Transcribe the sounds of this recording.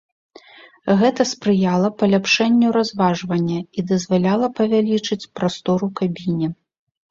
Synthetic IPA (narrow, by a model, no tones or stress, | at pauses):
ɣɛt̪ɐspɾɨjalˠɐpɐlʲapʂɛnʲːuɾazvaʐvɐnʲːɐid̪ɐzvalʲalˠɐpɐvʲalʲit͡ʂɨt͡sʲpɾast̪ɔɾukabʲinʲɛ